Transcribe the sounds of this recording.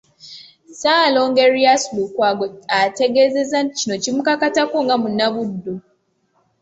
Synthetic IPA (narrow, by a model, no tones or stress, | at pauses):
saːloŋɡeɾiasulukwaɡoate̞ɡezezacino̞cimukakatakoŋɡamunaβudːu